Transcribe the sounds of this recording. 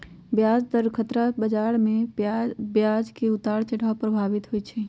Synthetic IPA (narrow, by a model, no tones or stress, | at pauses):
bjad͡ʒd̪əɾkʰət̪ɾabəd͡ʒaɾme | bjad͡ʒkeut̪aɽt͡ʃəɽapɾəbʱabit̪ɦojt͡ʃʰɛ